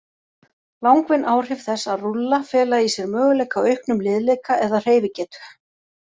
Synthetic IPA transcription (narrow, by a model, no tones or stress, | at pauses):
lawŋkvɪnʔaːwr̥ɪv̥θɛsːaðrulːafɛːlaisjɛɾmœːɣʏlɛːjkawœɥhknʏmlɪðlejkaʔɛðaðr̥eːjvɪcɛːt̪ʏ̥